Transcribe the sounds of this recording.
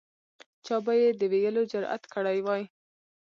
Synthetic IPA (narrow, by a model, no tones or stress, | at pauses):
t͡ʃɑbajed̪əweɡəlod͡ʒʊɾʔa̰t̪kəɽajwɑj